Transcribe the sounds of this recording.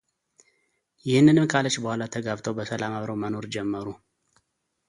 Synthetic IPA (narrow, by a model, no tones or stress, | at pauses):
jɪhɨnːɨnɨmkʰalət͡ʃːbəhʷalat̪ʰəɡaβt̪ʰəwbəsəlamaβɾəwməno̞ɾd͡ʒɛmːəɾu